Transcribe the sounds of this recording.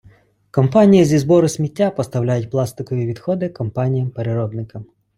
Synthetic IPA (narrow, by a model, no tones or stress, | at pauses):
kɔmpɑnʲijizʲizbɔɾʊsʲmʲitʲːapɔst̪ɐwlʲajʊt̚ʲplˠɑst̪ɪkɔʋʲiʋʲid̪xɔd̪ɪkɔmpɑnʲijɐmpeɾeɾɔb̪nɪkɐm